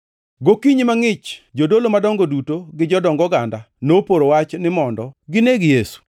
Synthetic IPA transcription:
ɡokiɲimaŋɪt͡ʃd͡ʒodolomadɔŋɡodutoɡɪd͡ʒɔdɔŋɡɔɡanda | nopoɾowat͡ʃnɪmɔndɔɡɪneɡijesu̥

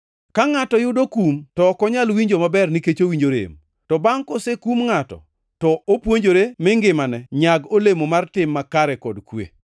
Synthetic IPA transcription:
kaŋatɔjʊdokumtɔkɔɲalwiɲd͡ʒomabɛrniket͡ʃowiɲd͡ʒoɾḛm | tɔbaŋkosekumŋatɔ̰ | tɔʔopwoɲd͡ʒoɾemɪŋɡɪmanɛɲaɡolemomartɪmːakaɾɛkɔdkwḛ

